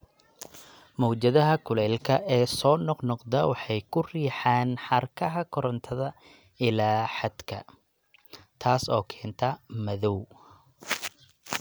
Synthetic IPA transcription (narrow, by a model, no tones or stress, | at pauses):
mɔːd͡ʒɐðɐɦɐkʰʊlɛːlkʰɐʔɛːsɔːnɔqnɔqd̪ɐwɑħɑjkʰʊriːħaːnħɑrkʰɐɦɐkʰɔɾɔnt̪ʰɐðɐ | ɪlaːħɑd̪kʰɐ̰ | t̪ʰaːsɔːkʰɛːnt̪ʰɐmɐðɔw